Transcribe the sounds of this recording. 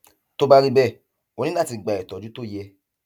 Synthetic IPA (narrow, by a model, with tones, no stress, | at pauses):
to˦ba˦ɾi˦˧bɛ˦˨ | o˧nĩ˦nã˦˨ti˧ɡ͡ba˨ɛ˨tɔ˨d͡ʒu˨˦to˦˨jɛ˧